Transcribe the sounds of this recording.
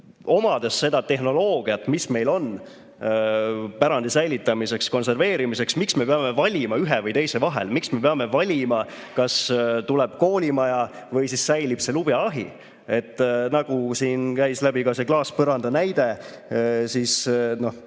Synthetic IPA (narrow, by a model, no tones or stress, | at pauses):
o̞mɑd̪̥esːe̞d̪̥ɑt̪e̞ɦno̞lo̞ːɡ̥iɑt̪ːmisme̞jlo̞n | pæɾɑnd̪̥isæjlit̪ːˑɑmise̞ksko̞nse̞rve̞ːɾimise̞ksmiksme̞peɑme̞vɑlʲimɑyɦevɤjt̪e̞jse̞vɑɦḛlmiksme̞peɑme̞vɑlʲimɑ | kɑst̪ulɛb̥ko̞ːlʲimɑjɑ | vɤjsisːæjlib̥se̞lub̥jɑɑɦḭ | e̞t̪ːˑnɑɡ̥usiːnkæjslæbikɑse̞klɑːspɤɾɑnd̪̥ɑnæjd̪̥e̞ | siːsno̞h